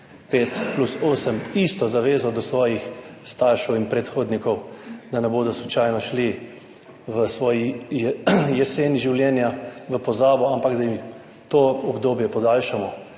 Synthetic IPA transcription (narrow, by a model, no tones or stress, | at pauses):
peːt̪plusoːsəmist̪ɔzaʋeːzɔd̪ɔsʋɔːjixst̪aɾʃɛwinpɾɛt̪xoːd̪nikɔwd̪anɛboːd̪ɔsut͡ʃajnɔʃli | ʋəsʋɔːjijɛjɛseːniʒiwljɛːnjaʋəpɔzaːbɔampaɡd̪ajim | t̪oɔbd̪oːbjɛpɔd̪aːlʃamɔ